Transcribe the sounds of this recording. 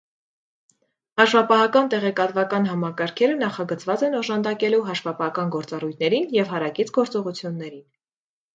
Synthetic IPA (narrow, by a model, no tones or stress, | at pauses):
hɑʃvɑpɑɦɑkɑnt̪ɛʁɛkɑt̪vɑkɑn̪ɦɑmɑkɑɾkʰɛɾənɑχɑɡət͡svɑt͡sɛnɔʒɑnd̪ɑkɛluɦɑʃvɑpɑhɑkɑnɡɔɾt͡sɑrujt̪ʰnɛɾinjɛvɦɑɾɑkit͡sʰɡɔɾt͡sɔʁut͡sʰjunːɛɾin